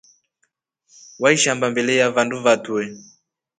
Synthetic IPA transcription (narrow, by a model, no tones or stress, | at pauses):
waiʃambambɛlɛjavanduvatuɛ